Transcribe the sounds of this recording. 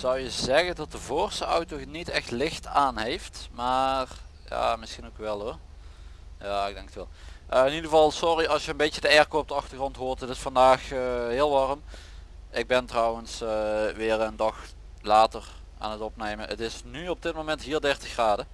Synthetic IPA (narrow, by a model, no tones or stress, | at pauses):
z̥ʌwjəzɛɣəndɑt̚dəvoːrstəɔ̰wtonitɛxtlɪxtaːnɦejftmaːr | ja̰ːmɪsxinowkʋɛlˠɦʊr | jaːɪɡdɛŋkətʋɛ̰lˠ | ʔəɪnidɣəvɑlˠsɔriɑlˠsjəənbejcədəɛrkowɔp̚dəɑxtərχrɔntɦoːrtətɪsfɑndaːxəɦɪːlˠʋɑrəm | ʔɪɡ̚bɪntrɔwənsʋɪːrəndɑx | laːtər | ʔa̰ːnətɔpnejmənətɪsnyɔb̚dɪt̚momɛntɦiːrdɛrtəxraːdə